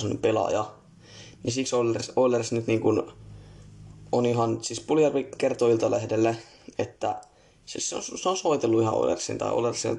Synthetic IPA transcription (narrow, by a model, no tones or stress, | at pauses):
onːyppelɑ̰jɑ | nisiksolːersolːersnyt̪niːŋkun | oniɦɑnsispulijɑrʋikert̪oilt̪ɑlehdelːe | et̪ːæ | seseo̰nsseonsoit̪elːuihɑ̰o̰lḛrsːḭnt̪ɑ̰ḭo̰lerssiḛl